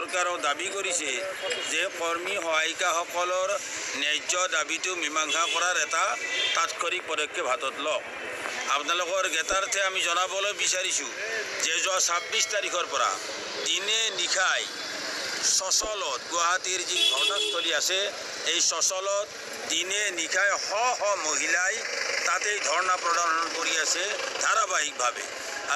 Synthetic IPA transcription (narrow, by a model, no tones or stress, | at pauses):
ɔɾkaɾɔkd̪abikoɾised͡ʒekɔɾmiɦɔajkaɦɔkɔlɔɾ | nɛd͡ʒɔdabitumimaŋɡʱakɔɾaɾɛt̪at̪at̪kʰɔɾik̚pɔd̪ɔkʰːɔbʱat̪ɔt̪lɔk̚ | apnalokɔɾɡɛt̪aɾt̪ʰɛamid͡ʒɔnabɔlɔbisaɾisud͡ʒezasabːist̪aɾikʰɔɾpɔɾa̰ | d̪inenikʰaj | sɔsɔlɔt̪ɡoaɦat̪iɾd͡ʒind̪ʱɔsast̪ʰɔɾiase | ejsɔsɔlɔt̪ | d̪inenikʰajhɔɦɔmoɦilajt̪at̪ejd̪ʱɔɾnapɾɔɽaɾɔɔnkoɾiased̪ʱaɾabaɦik̚bʱabḛ